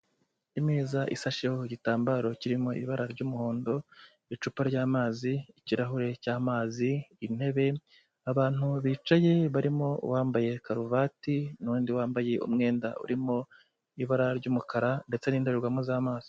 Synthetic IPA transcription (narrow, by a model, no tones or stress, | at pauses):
imiːzaʔḭsaʃehoɟitaːmbaɾo̞ciɾimo̞ḭβaɾaɾɟuːmuhoːndo̞ | it͡ʃupaɾɟaːmaːziːciɾaɦuɾe̞caːmaːziːn̥he̞βe̞ | aβaːn̥uβiːt͡ʃaje̞βaɾimo̞wʔaːmbaje̞kaɾuvatinuːndiwaːmbaje̞ṵmŋe̞ːndaṵɾimo̞ | iβaɾaɾɟuːmukʰaɾande̞t͡se̞niːndeɾeɾɡwamuzaːmaːz̥i̥